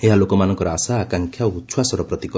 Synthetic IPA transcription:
eɦalokɔmanɔ̃ŋkɔɾɔasaːkaŋkʰjaut̪ːsʰwasɔɾɔpɾɔt̪ikɔ

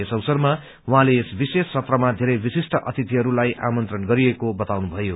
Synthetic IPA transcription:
esʌwsʌrma | wuɦãleːsbisesːʌprʌmad̪ʱeɾʌjbisisʈʌʔʌt̪ʰit̪iɦʌɾulajʔa̰mʌnt̪rʌnɡʌɾiekobʌt̪awnubʱʌjo

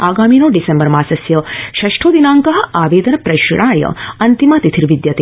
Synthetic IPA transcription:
aːɡaːminoːɖisembɐɾmaːsɐsjɐʃɐʂʈʰoːd̪inaːŋkɐɦɐ̆aːʋeːd̪ɐnɐpɾɐʃɽaːjɐ̰ɐnt̪imaːt̪it̪ʰiɾʋid̪jɐt̪e

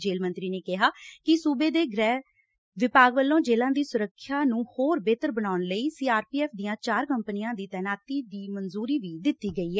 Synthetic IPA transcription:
d͡ʒeːlmə̃nt̪ɾiːneːkɪɦaːkɪsuːbeːd̪eːɡɾɛː | ʋɪpaːɡʋəlːõːd͡ʒeːlãːd̪iːsʊɾəkʰːjaːnũːhoːɾbeːt̪əɾbənaːʊɳləiːsiːaːɾpiːɛːpʰd̪iːãːt͡ʃaːɾkəmpnɪjãːd̪iːt̪ɛːnaːt̪iːd̪iːmənzuːɾiːʋiːd̪ɪt̪ːiːɡəiːɦɛː

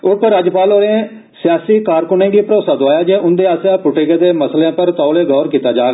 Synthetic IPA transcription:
ʊpəɾːaːd͡ʒpaːloːɾẽː | sɪjaːsiːkaːɾkʊnẽːɡiːpəɾoːsaːd̪ʊaːjaːd͡ʒeːʔʊnd̪eːaːsjaːpʊʈɪɡed̪eːməsleãːpəɾt̪ɔːleːɡɔːɾkiːt̪aːd͡ʒaːɡ

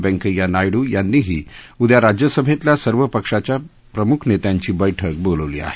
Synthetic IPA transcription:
bɛ̃ŋkəjanajɽuːjanːiːɦiːud̪jaɾad͡ʑjəsəbʱet̪ljasəɾʋəpəkʂat͡ɕja | pɾəmukʰnet̪jaɲt͡ɕiːbəjʈʰək̚boləʋlḭa̰ɦe̥

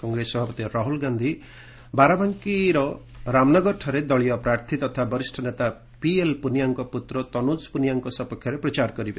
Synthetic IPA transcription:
kɔŋɡɾesɔbʱapɔt̪iɾɔɦulɡand̪ʱi | baɾabaŋkiɾɔ | ɾamnɔɡɔɾʈʰɔɾed̪ɔɭijɔpɾaɾt̪ʰit̪ɔt̪ʰabɔɾisʈʰɔnet̪a | pielpunijaŋkɔput̪ɾɔt̪ɔnud͡ʒpunijaŋkɔsɔpɔkʰjɔɾepɾɔt͡ʃaɾkɔɾibe

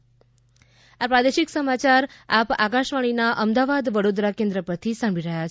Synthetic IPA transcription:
apɾad̪eʃiksəmat͡ʃaɾapakaʃʋaɽ̃inaʔəmd̪aʋad̪ʋəɽod̪ɾakẽnd̪ɾəpəɾt̪ʰisãmbʱiɾəɦjat͡ʃʰ

